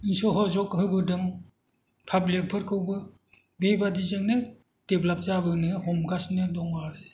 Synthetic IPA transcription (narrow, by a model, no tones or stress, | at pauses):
insɔɦɔzɔkɯɡɯdɯm | kʰablepʰɯɾkʰɯwbɯ | bejbadizanɯ | teblap̚zabɯnɯhɔmɡasnɯdɔŋaɾɯ